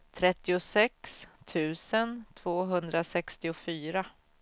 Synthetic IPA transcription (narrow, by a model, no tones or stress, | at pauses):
t̪ʰɾɛt̪ːɪʊsɛkst̪ʰʉ̟ːsənt̪ʰv̥oːɦɵnd̪ɾasɛkst̪ɪʊfyːɾa